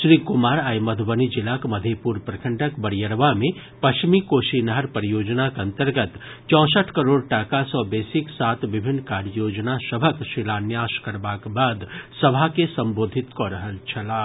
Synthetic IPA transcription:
ʃɾiːkʊmaːɾaːjməd̪ʱbənid͡ʒɪlakməd̪ʱepuːɾpɾɐkʰə̃ɳʈʰəkbəɽjəɾʋamẽ | pɐt͡ʃmikoːʃinəɦəɾpəɾijoːd͡ʒnakɐ̃nt̪əɾɡət̪ | t͡ʃɔ̃ːsəʈʰkəɾoːɽʈaːkasɔːbeːsɪksaːt̪ʰʋɪbʱɪnːkaːɖjoːd͡ʒnasəbʱəkʃilaːnjaːʃkəɾbaːkbaːd̪səbʱakesɐmboːd̪ʱɪt̪koɾəɦəlt͡ʃʰɐlaː

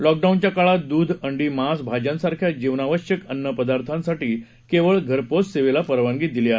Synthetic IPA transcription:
lɔk̚ɖawnt͡ɕjakaɭat̪̚d̪uːd̪ʱəɳɖiːmasbʱad͡ʑjãnsaɾkʰjad͡ʑiʋnaʋəɕjəkənːəpəd̪aɾt̪ʰãnsaʈiː | keʋəɭɡʱəɾposseʋelapəɾʋãŋɡiːd̪ilea

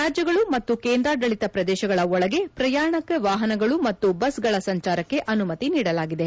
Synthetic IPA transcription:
ɾaːd͡ʒjɐɡɐɭumɐt̪ːukeːnd̪ɾaɖɐɭit̪ɐpɾɐd̪ɛːʃɐɡɐɭɐɔɭɐɡe̞pɾɐjaːɳɐkʋaːɦɐnɐɡɐɭumɐt̪ːubɐsɡɐɭɐsɐɲt͡ʃaːɾɐkːe̞ʔɐnumɐt̪iniːɽɐlaːɡid̪e̞

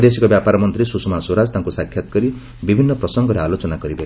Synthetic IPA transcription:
d̪esikɔbjapaɾɔmɔnt̪ɾisusumasoɾad͡zt̪ãŋkusakʰjat̪ɔ̥kɔɾi | bibʱinːɔpɾɔsɔŋɡɔɾealot͡ʃɔnakɔɾibe

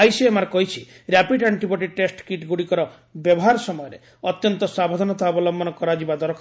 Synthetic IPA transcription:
ajsiemaɾɔkɔɦit͡ʃʰi | ɾjapiɖaɳʈibɔʈiʈesʈkiʈɡuɽikɔɾɔ | bjɔbɔɦaɾɔsɔmɔjɔɾe | ɔt̪jɔnt̪ɔsabɔd̪ʱɔnɔt̪abɔlɔmbɔnɔkɔɾad͡ʒibad̪ɔɾɔkʰ

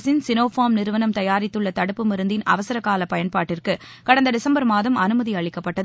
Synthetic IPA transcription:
sɪnsɪnoːfaːmnɪɾɯʋɐnɐmt̪ɐjaːɾɪt̪ːɯɭːɐt̪ɐɽɯpːɯmɪɾɯnd̪ɪnɐ̰ʋɐsɐɾɐkːaːlɐpɐjɐnpaːʈːɪrkɯ | kɐɽɐnd̪ɐɖɪsɐmbɐɾmaːðɐmɐnɯmɐðiɐɭɪkːɐpːɐʈːɐð

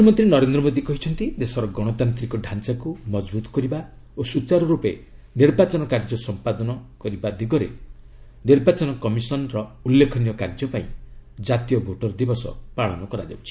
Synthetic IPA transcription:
mɔnt̪ɾinɔɾend̪ɾɔmod̪ikɔɦit͡ʃʰɔnt̪id̪esɔɾɔɡɔɽ̃ɔt̪ant̪ɾikɔɖʱant͡ʃakumɔd͡ʒbut̪ɔ̥kɔɾiba | osut͡ʃaɾɔɾupeniɾbat͡ʃɔnɔkaɾd͡ʒɔsɔmpad̪ɔnɔkɔɾibad̪iɡɔɾḛ | niɾbat͡ʃɔnɔkɔmisɔnɾɔulːekʰɔnijɔkaɾd͡ʒɔpaĩd͡ʒat̪ijɔbʱoʈɔɾd̪ibɔsɔ̰paɭɔnɔkɔɾa̰d͡ʒa̰but͡ʃʰi̥

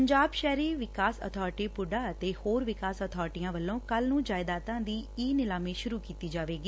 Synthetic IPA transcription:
əɲd͡ʒaːbʃɛːɾiːʋɪkaːsə̰t̪ʰɔːɾʈiːpʊɖaːət̪eːhoːɾʋɪkaːsət̪ʰɔːɾʈijãːʋəlːõːkəlnũːd͡ʒaːɪd̪aːt̪ãːd̪iːiːnɪlaːmeːʃʊɾuːkiːt̪iːd͡ʒaːʋeːɡiː

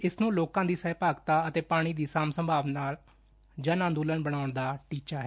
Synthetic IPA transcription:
ɪsnũːloːkãːd̪iːsɛːpaːɡt̪aːət̪eːpaːɽ̃iːd̪iːsaːmsəmbʱaːʋnaːl | d͡ʒənãːd̪uːlənbəɽ̃aːʊɳd̪aːʈiːt͡ʃaːɦɛː

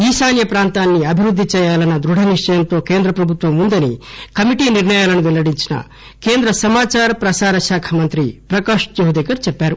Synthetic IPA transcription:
iːsaːnjɐpɾaːnt̪aːnːiɐbʱiɾud̪ʱːit͡ʃɛjaːlɐnɐd̪ɾuɽʱɐniʂɐjɐnt̪oːkeːnd̪ɾɐpɾɐbʱut̪ʋɐmund̪ɐnḭkɐmiʈiniɾɳɐjaːlɐnuʋɛlːɐɽiɲt͡ʃinɐ̰ | keːnd̪ɾɐsɐmaːt͡ʃaːɾɐpɾɐsaːɾɐʃaːkʰɐmɐnt̪ɾipɾɐkaːʂd͡ʒɐɦud̪ekɐɾt͡ʃɛpːaːɾu

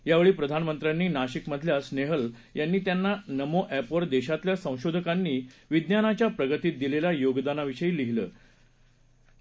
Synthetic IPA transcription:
jaʋeɭiːpɾəd̪ʱanmənt̪ɾjanːiːnaɕikməd̪ʱljasneɦəl | janːiːt̪janːanəmoʔæpʋəɾd̪eɕat̪ljasə̃w̃ɕod̪ʱəkanːiːʋid̪njanat͡ɕjapɾəɡət̪iːt̪̚d̪ilelajoɡd̪anaʋiɕəiːliɦiləː

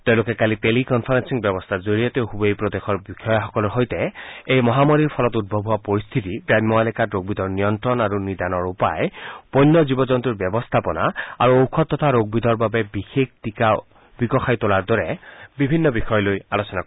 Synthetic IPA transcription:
teʊ̃lʊkɛkalitelikɔnpʰaɹensiŋbjɛbɔst̪ʰazoɹijɔteʊhubejpɹɔd̪exɔɹbixɔjaxɔkɔlɔɹɦojtɛejmɔɦamɔɹiɹpʰɔlɔtut̚bʱɔbʱuwapɔɹist̪ʰitiɡɹajmːɔalɛkatɹoɡ̚bid̪ʱɔɹnijɔntɹɔnaɹunid̪anɔɹupajpɔjnːɔzibɔzɔnt̪uɹbɛbɔst̪ʰapɔna̰a̰ɹuowkʰɔt̪ːɔt̪ʰaɹoɡ̚bid̪ʱɔɹbabɛbixek̚ʰtika | bikɔxʰajtolaɹd̪ɔɹɛbibʱinːɔbixɔjɔlojalosɔna

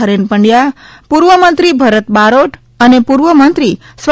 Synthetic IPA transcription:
əɾenpəɳɖja | puɾʋəmənt̪ɾibʱəɾət̪baɾoʈ | ənepuɾʋəmənt̪ɾi | sʋ

